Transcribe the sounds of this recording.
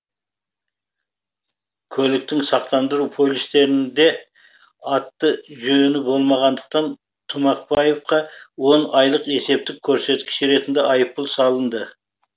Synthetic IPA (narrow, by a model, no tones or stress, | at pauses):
kʲʰɵlɪk̚t̪ɪŋsɑqt̪ɑnd̪əɾupʰo̞lʲist̪e̞ɾɪnd̪e̞ | ɑt̪ːəʒønɪbo̞lˠmɑʁɑnd̪əq̚t̪ɑn | t̪ʰʊmɑq̚pɑje̞fqɑwo̞nɑjlˠəqe̞se̞p̚t̪ɪkʲʰɵɾse̞t̪kʲɪ̥ʃɾe̞t̪ɪnd̪eʔɑjəpːʊlˠsɑlˠənd̪ə